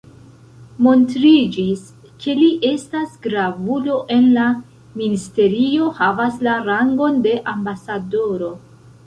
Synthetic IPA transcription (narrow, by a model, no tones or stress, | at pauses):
mo̞ntɾid͡ʒis | kʰe̞liʔe̞stasɡɾavulo̞ʔe̞nla | ministe̞ɾio̞havaslaɾaŋɡo̞nde̞ʔambasado̞ɾo̞